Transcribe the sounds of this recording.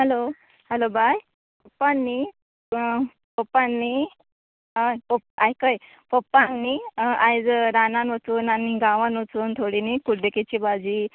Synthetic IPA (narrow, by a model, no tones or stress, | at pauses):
ɦelo | hɛlobaj | pəpːanːi | pəpːanːi | apəajkəj | pəpːanːiajd͡zɾananʋət͡suːnaniɡãʋanʋot͡suːnt̪ʰoɽinikuɖeket͡ɕibad͡ʑi